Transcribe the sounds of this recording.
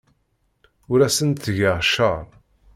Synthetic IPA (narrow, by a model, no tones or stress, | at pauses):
ʊɾæsənt̪θʝəʁʃəɾˤ